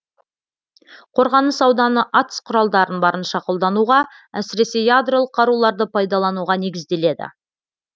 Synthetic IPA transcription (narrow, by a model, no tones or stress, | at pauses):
qʰo̞ɾʁɑnəsɑwd̪ɑnəʔɑt̪ə̥sqʰʊɾɑlˠd̪ɑɾənbɑɾənʃɑqolˠd̪ɑnuʁɑ | æsɪɾe̞se̞jad̪ro̞lˠəqʰːɑɾulˠɑɾd̪əpʰɑjd̪ɑlˠɑnuʁɑne̞ɡʲɪzd̪e̞le̞d̪ɪ̰